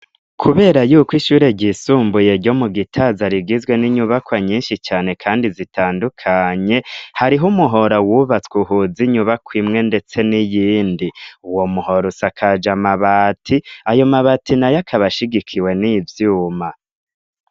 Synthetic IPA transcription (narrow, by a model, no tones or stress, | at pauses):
kʰuβe̞ːɾajuːkwiʃuːɾe̞ɟisuːmbuje̞ɾɟo̞muɡitʰazaɾiɡizwe̞niɲuβakwaɲiːnʃit͡ʃaːne̞kʰaːndizitʰaːndukʰaɲe̞haɾiɦumuɦo̞ɾawuβat͡skwuɦuziɲuβakwimŋe̞nde̞t͡se̞nijiːndiuwo̞muho̞ɾusakʰad͡ʒamaβatʰiajo̞maβatinajakʰaβaʃiɡikʰiwe̞nivjuːma